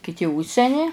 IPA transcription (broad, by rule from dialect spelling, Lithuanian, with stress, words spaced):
kʲɪˈtʲɪ ˈʊʃʲsʲɛnʲɪ